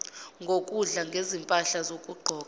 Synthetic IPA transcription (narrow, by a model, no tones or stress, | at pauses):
ŋɡʱokʼuɮaŋɡʱezimpʼaɬazokʼuɡ͡ǃʱɔːk̬ʼa